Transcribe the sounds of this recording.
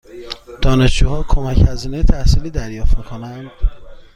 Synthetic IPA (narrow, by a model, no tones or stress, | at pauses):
d̪̥ɒːne̞ʃd͡ʒuːhɒːkʰomæchæziːnejet̪ʰæhsiːliːd̪æɾjɒːft̪miːkʰonænd̪̥